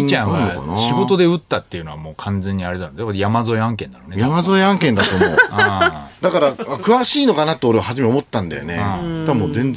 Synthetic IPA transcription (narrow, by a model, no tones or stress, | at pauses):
it͡ɕãɰ̰̃nɕiɡo̞t̪o̞d̪e̞ɯ̟t̪ːat̪ːe̞jɯ̟no̞βa̰mo̞ːkʰãnd͡zẽ̞ɲ̟ːiaɾet̪anakːajamazo̞eãŋk̬ẽ̞nd̪anonejamazo̞eãŋkẽnd̪at̪oo̰ | d̪akaɾaakɯ̟βaɕiːno̞kanat̪ːoːɾe̞ahaʑimeomo̞t̪ːãnd̪a̰jo̰neãt̪amozẽ̞n